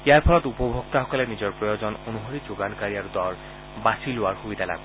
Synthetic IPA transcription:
ijaɹpʰɔlɔtupobʱok̚t̪aɦɔkɔlenizɔɹpɹɔjozɔnonuɦoɹizoɡankaɹiaɹud̪ɔɹ | basiloaɹxubid̪ʱala̰b̚

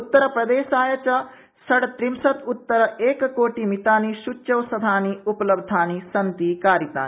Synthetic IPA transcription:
ut̪ːɐɾɐpɾɐd̪eːsaːjɐt͡ʃɐ | sɐɽt̪ɾimsɐt̪ut̪ːɐɾɐeːkkoːʈimit̪aːnisut͡ʃːɐwsɐd̪ʱaːniupɐlɐbd̪ʱaːnisɐnt̪ikaːɾit̪a̰ːni

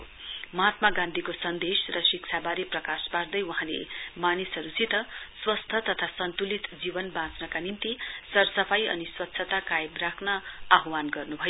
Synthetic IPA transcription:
mʌɦat̪maɡãnd̪ʱikosʌnd̪esrʌsikt͡sʰabaɾiprʌkaspaɾd̪ʌjwʌɦãlḛmanisʌɾusit̪ʌswʌst̪ʰʌt̪ʌt̪ʰasʌnt̪ulit̪d͡zibʌnbãt͡snʌkanimt̪isʌɾsʌpʰajʌ̰niswʌt̪ːsʰʌt̪akajebrakʰnʌaɦwanɡʌrnubʱʌjo

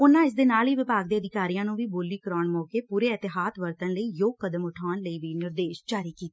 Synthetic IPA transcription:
ʊnãːɪs̬d̪eːnaːliːʋɪpaːɡd̪eːəd̪ɪkaːɾijãːnũːʋiːboːliːkəɾaːɳmɔːkeːpuːɾeːɪt̪ɪɦaːd̪ʋəɾt̪ənləiːjoːɡkəd̪əmʊʈʰaːnləiːʋiːnɪɾd̪eːʃd͡ʒaːɾiːkiːt̪ː

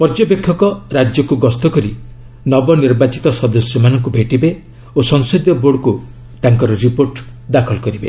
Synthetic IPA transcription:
pɔɾd͡ʒɔpekʰːɔkɔɾad͡ʒjɔkuɡɔst̪ɔkɔɾi | nɔbɔniɾbat͡ʃit̪ɔsɔd̪ɔsjɔmanɔŋkubʱeʈibe | osɔŋsod̪jɔboɽku | t̪aŋkɔɾɔɾipoɾʈ | d̪akʰɔlkɔɾibe

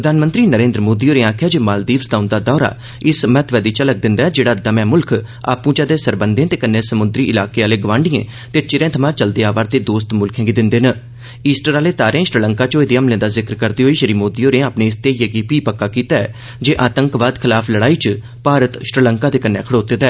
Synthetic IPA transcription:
pɾəd̪aːnmə̃nt̪ɾiːnəɾẽːnd̪ɾəmoːd̪iːoːɾẽːaːkʰjaːd͡ʒeːmaːld̪iːʋsd̪aːʊ̃nd̪aːd̪ɔːɾa̰ː | ɪsmɛːt̪ʰʋɛːd̪iːt͡ʃələɡ̚d̪ɪ̃nd̪aːɛd͡ʒeːɽaːd̪əmɛ̃ːmʊlkʰ | a̰ːpũːt͡ʃad̪eːsəɾbənd̪ẽt̪eːkənːẽːsəmʊnd̪ɾiːʔɪlaːkeːaːleːɡəʋãːɳɖiḛ̃ː | t̪eːt͡ʃɪɾẽːt̪ʰəmãːt͡ʃəld̪eːaːʋaːɾt̪eːd̪oːst̪mʊlkʰɛ̃ːɡiːd̪ɪnd̪eːnə | iːsʈəɾaːleːt̪aːɾẽːʃəɾiləŋkaːt͡ʃoːeːd̪iːəmlẽːd̪aːzɪkɾkəɾd̪iːɦoːiːʃəɾiːmoːd̪iːoːnẽːaːpneːɪst̪eːjəɡiːpiːpəkːaːkiːt̪aːɛː | d͡ʒeːʔaːt̪ə̃ŋkʋaːd̪kʰɪlaːpʰləɽaːiːt͡ʃ | paːɾət̪ʃɾiləŋkaːd̪eːkənːɛ̰ːkʰəɽoːt̪eːd̪aː

